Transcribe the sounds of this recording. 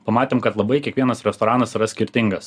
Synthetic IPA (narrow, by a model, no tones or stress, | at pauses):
pɐmɑːt̪ʲeːmkɐt̪lˠɐbɐɪkʲiɛkʋʲiɛnɐsɾʲɛst̪ɔɾɑːnɐsiɾɐsʲkʲɪɾʲt̪ʲɪŋɡɐs